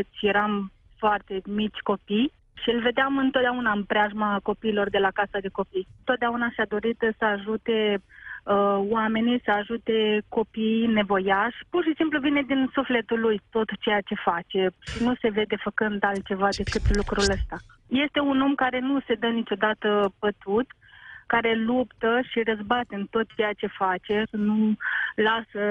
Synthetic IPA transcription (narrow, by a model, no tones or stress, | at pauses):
kɨt͡ʃʲje̞ɾam | foart̪e̞mit͡ʃʲko̞pij | ʃiɨlve̞d̪eamɨnt̪ot̪̚d̪ʲaunaɨnpɾeaʒmako̞piːlo̞rd̪e̞lakasad̪e̞ko̞pijɨnt̪o̞t̪̚d̪eaunaʃad̪o̞ɾit̪səaʒut̪e̞ | əwame̞nijsəaʒut̪e̞ko̞pijne̞vo̞jaʃʲpurʃisimpluvine̞d̪insufle̞t̪ulujt̪o̞t̪t͡ʃejat͡ʃe̞fat͡ʃe̞ʃinuse̞ve̞d̪e̞fəkɨnd̪alt̪̚t͡ʃe̞vad̪e̞kɨt̪lukɾuləst̪aje̞st̪e̞uno̞mkaɾe̞nuse̞d̪ənit͡ʃo̞d̪at̪əpət̪ut̪ | kaɾe̞lupt̪əʃirəzbat̪eɨnt̪o̞t̪̚t͡ʃe̞jat͡ʃe̞fat͡ʃe̞sənulasə